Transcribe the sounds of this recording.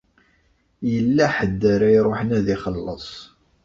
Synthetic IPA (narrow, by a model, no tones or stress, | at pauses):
jəlːæħəd̪ːəɾæjɾˤoħənæðɪχəlːəsˤ